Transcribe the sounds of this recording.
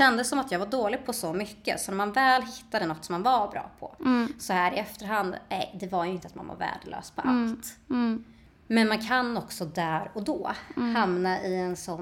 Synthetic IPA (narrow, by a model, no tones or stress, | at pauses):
ɛnd̪əsːɔmat̪jɑːɡvaɖoːlɪɡ̚pʰɔsɔmʏkːə̰sɔnæɾmanvɛːlɦɪt̪ːad̪ənɔt̪ːsɔmːanvabɾɑ̰ːpʰɔ̰sɔhæːɾɪɛft̪əɾɦand̪nɛ̰jd̪ɛvaɾjɵɪnt̪əat̪̚ma̰nva̰ɾvæ̰ːɖəlø̰ːspʰɔʔalt̪ | mɛnmankʰanːɔksɔd̪æːɾɔd̪ɔːhamnaʔɪɛnsɔ